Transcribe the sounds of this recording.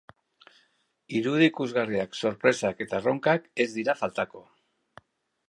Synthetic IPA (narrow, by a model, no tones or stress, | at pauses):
iɾuð̞iːkuzɣariakso̞ɾpɾe̞sake̞t̪aro̞ŋkake̞zd̪iɾafalt̪ako̞